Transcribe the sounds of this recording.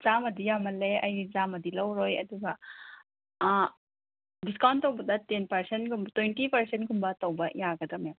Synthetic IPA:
z̥amɐdijamɐleɐjɡizamɐdilɐwɾojɐ̰duɡɐ | diskawntːɐwbɐdɐtenpɐɾsentɡumbtwejntipɐɾsentɡumbɐtɐwbɐjaɡɐdɐmɐjam

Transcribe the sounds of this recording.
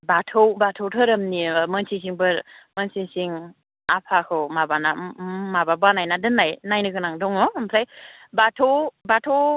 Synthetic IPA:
batʰowbatʰɔwtʰɯɾɐmniməŋsʰis̬iŋbɯɾməŋsisiŋ | apʰakʰɯwmabanamababanajnadɯnːajnajnɯkɯnaŋdɔŋɔmpʰɾaj | batʰowbatʰow

